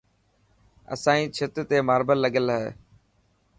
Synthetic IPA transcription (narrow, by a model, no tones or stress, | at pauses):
ə̰sãːĩːt͡ʃʰɪt̪t̪eːmaːɾbəlːəɡəlɦḛː